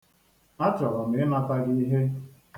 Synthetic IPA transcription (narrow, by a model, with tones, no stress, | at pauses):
a˦t͡ʃɔ˨ɾɔ˨m̩˨e˨˦na˦pa˦ɡi˦i˦ɦe˦